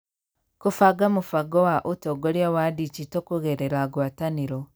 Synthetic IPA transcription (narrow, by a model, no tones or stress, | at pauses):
kufaɡamufaɡɔwaʔutoɡoɾjawadit͡ʃitokuɣeɾeɾaɡwataniɾo